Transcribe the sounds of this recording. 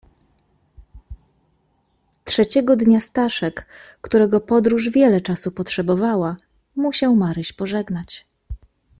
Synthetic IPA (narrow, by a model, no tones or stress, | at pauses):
tʂɛt͡ɕɛɡɔd̪ɲast̪aʂɛkː | t̪uɾɛɡɔpɔd̪ɾuʐvʲjɛlɛt͡ʂasupɔtʂɛbɔvawa | muɕawmaɾɘɕpɔʐɛɡnat͡ɕ